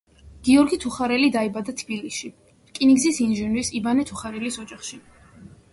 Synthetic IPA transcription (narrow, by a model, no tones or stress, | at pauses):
ɡ̥iɔɾɡit̪ʰuχaɾɛlid̪aibad̪at̪ʰb̥iliʃi | kʼiniɡzisinʒɛnɾisibanɛt̪ʰuχaɾɛlisɔd͡ʒaχʃi